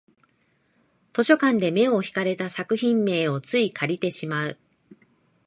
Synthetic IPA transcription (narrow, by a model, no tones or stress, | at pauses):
t̪o̞ɕo̞kãnd̪e̞me̞o̞çi̥kaɾe̞t̪asakɯ̟çĩmːe̞ːo̞t͡sɨikʰaɾʲit̪e̞ɕimaɯ̟